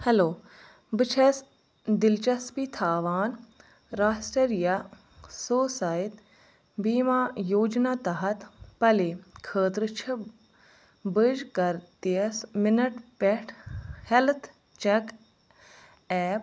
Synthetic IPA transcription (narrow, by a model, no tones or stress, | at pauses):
hɛloː | bɨt͡ʃʰɐs | d̪ɪlt͡ʃɐspit̪ʰaːʋaːn | ɾaːsʈɾɐɾija | soːsaːjit̪ | biːmaːjoːd͡ʒnaːt̪ɐɦɐt̪pɐlekʰəːt̪ɾɨt͡ʃʰɐ | bɨd͡ʒkɐɾt̪ismɪnɐʈpɛʈʰhelt̪ʰ | t͡ʃek | ɛːp̚